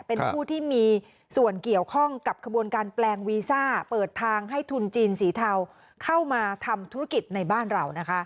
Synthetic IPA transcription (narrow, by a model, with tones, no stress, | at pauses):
pe˧npʰuː˥˩t̪ʰiː˥˩miː˧ | su˨˩ənki˨˩əwkʰɔ˥˩ŋka˨˩p̚kʰa˧bu˧ənkaː˧nplɛː˧ŋwiː˧saː˥˩pɤː˨˩t̪ʰːaː˧ŋɦa˥˩jt̪ʰu˧nt͡ɕiː˧nsiː˩˦t̪ʰa˧w | kʰa˥˩wmaː˧t̪ʰa˧mt̪ʰu˦˥ɾa˦˥ki˨˩t̪̚na˧jbaː˥˩nɾa˧wna˦˥kʰa˦˥ʔ